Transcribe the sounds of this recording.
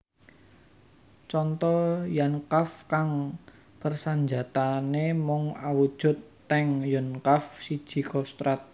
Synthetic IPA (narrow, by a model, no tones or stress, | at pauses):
t͡ʃɔnt̪ɔjankafkaŋ | pərsaɲd͡ʒat̪anemɔŋawud̥ʒ̥ʊ̤t̪ːɛŋjənkafsid̥ʒ̥i̤kɔst̪ɾat̪̚